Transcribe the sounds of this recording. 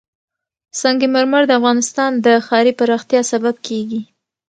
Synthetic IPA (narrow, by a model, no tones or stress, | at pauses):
sɑŋɡemaɾmaɾd̪əafɣɑnɪst̪ɑnd̪əxɑɾipaɾɑxt̪jɑsabab̚kʰeɡi